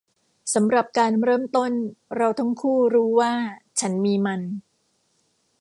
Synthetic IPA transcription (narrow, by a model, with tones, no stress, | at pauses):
sa˩˦mɾa˨˩p̚kaː˧nɾɤː˥˩mt̪o˥˩nɾa˧wt̪ʰa˦˥mkʰuː˥˩ɾuː˦˥waː˥˩t͡ɕʰa˦˥nmiː˧ma˧n